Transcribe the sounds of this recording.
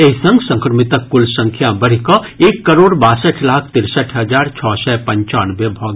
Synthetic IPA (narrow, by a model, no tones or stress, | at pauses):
eɦsə̃ŋɡsə̃ŋkɾəmɪt̪əkːʊlsə̃ŋkʰjabɐɽikɔ | eːkːɐɾoːɽbaːsəʈʰlaːkʰt̪ɪɾsəʈʰɦɐd͡ʒaːɾt͡ʃʰɔːsɛpɐ̃ɲt͡ʃaːnbebʱɔːɡ